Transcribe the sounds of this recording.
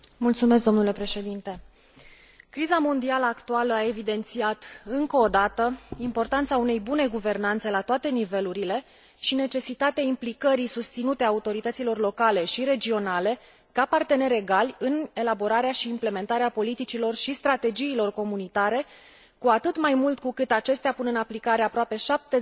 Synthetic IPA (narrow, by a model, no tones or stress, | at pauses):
mult̪sumeskd̪o̞mnule̞pɾe̞ʃe̞d̪int̪e̞ | kɾizamo̞nd̪ialəakt̪ualəae̞vid̪e̞nt̪siat̪ɨŋkəːd̪at̪əimpo̞rt̪ant̪saune̞jbune̞ɡuve̞rnant̪se̞lat̪oat̪e̞nive̞luɾile̞ | ʃine̞t͡ʃe̞sit̪at̪eaimplikəɾisust̪sinut̪eaut̪o̞ɾit̪ət̪silo̞rlo̞kale̞ʃiɾe̞d͡ʒio̞nale̞ | kapart̪e̞ne̞ɾe̞ɡalʲɨne̞labo̞ɾaɾeaʃiːmple̞me̞nt̪aɾeapo̞lit̪it͡ʃilo̞rʃist̪ɾat̪e̞d͡ʒiːlo̞rko̞munit̪aɾe̞ | kuat̪ɨt̪majmult̪kukɨt̪at͡ʃe̞st̪eapunɨnaplikaɾe̞apɾoape̞ʃap̚t̪e